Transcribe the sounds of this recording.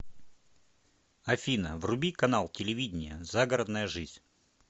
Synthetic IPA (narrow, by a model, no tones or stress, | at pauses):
ɐfʲinə̰vrʊbʲikɐnalˠtʲɪlʲɪvʲidʲɪnʲɪjəzaɡəɾəd̪nəjəʐɨzʲ